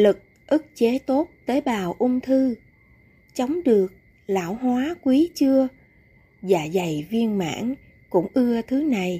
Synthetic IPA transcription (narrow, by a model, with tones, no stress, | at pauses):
lɨ˨˩k̚ | ʔɨ˦˥k̚t͡ɕe˨˦t̪o˦˥t̚t̪əː˨˦jɓaː˨˩wʔʊ˧ŋ͡mt̪ʰɨ˧ | t͡ɕə˨˦wŋ͡mɗɨ˨˩ək̚ | la̰ː˧˩wɦwaː˨˦kwi˨˦t͡ɕɨ˧ə | zaː˨˩za˨˩jvi˧ənma̰ː˧˥n | kʊ̰˧˥ŋ͡mʔɨ˧ət̪ʰɨ˨˦na˨˩j